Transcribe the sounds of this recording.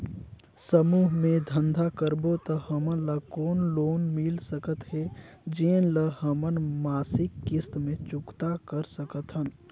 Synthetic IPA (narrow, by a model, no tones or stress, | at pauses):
səmuːɦmẽd̪ʱənd̪ʱakəɾbot̪əhəmənləkoːnloːnmɪlsəkət̪ɦɛ | d͡ʒeːnləhəmənmaːsɪkːɪst̪mẽt͡ʃʊkt̪akəɾsəkət̪ɦən